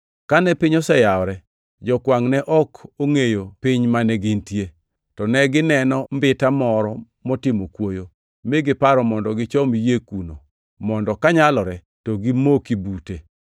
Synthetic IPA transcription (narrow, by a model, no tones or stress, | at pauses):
kanɛpɪɲɔsɛjaɔɾɛ | d͡ʒɔkwaŋnɛʔɔkʰoŋejopɪɲmanɛɡɪntje | tɔnɛɡɪnɛnɔmbɪtamɔɾɔ | mɔtɪmokwojo | meɡɪpaɾɔmɔndɔɡɪt͡ʃɔmjekuno̰ | mɔndɔkaɲalɔɾɛ | toɡimokibute